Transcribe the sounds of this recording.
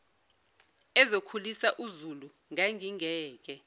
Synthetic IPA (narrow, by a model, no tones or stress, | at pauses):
ɛzokʰulisaʔuzulu | ŋaŋʱiŋɛːk̬ɛ